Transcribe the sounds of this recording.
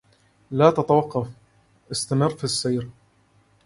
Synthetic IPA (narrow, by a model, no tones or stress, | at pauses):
laːt̪at̪awɑqːɑf | ʔɪst̪amɪrˤːfisːajɾ